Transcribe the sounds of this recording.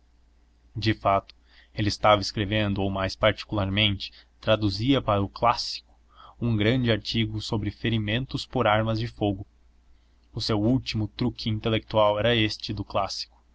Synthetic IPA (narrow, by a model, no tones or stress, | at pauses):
d͡ʒɪfat̪ʊ̥ | elɪɪst̪avɐɪskɾevẽnd̪ʊowmajspaɾt͡ʃi̥kulaɾmẽnt͡ʃɪ̥t̪ɾad̪uziɐpaɾɐʊklasi̥kʊ̥ | ũŋɡɾɐ̃nd͡ʒɪaɾt͡ʃiɡʊsobɾɪfeɾimẽnt̪ʊspoɾaɾmɐzd͡ʒɪfoɡʊ | ʊsewuwt͡ʃimʊt̪ɾukɪĩnt̪elek̚t̪uawɛɾɐest͡ʃɪd̪ʊklasi̥kʊ̥